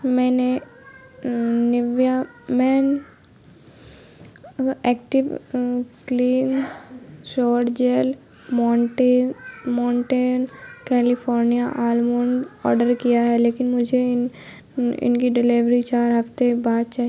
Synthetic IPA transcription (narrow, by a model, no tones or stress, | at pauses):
mɛ̃ːne | nɪʋja | mɛːn | ɛːkʈɪʋkliːn | sɔːʈd͡ʒel | maːɳʈeːmaːɳʈeːnkɛːlɪpʰɔːɾnijaʔaːlmoːɳɖɔ̰ːɾɖəɾkijaɦɛleːkɪnmʊd͡ʒʱen | ɪ̰nkiɖɪliʋɾit͡ʃaːɾɦɐft̪ebaːd̪̚t͡ʃaːi